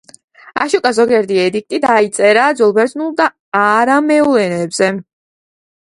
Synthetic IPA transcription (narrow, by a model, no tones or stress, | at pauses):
a̰ʃukʼazɔɡɛɾd̪iɛd̪ik̚t̪ʼid̪ait̪sʼɛɾaːd̪zulˠbɛɾd̪ʼnulˠd̪a | aɾamɛulɛnɛːbz̥ɛ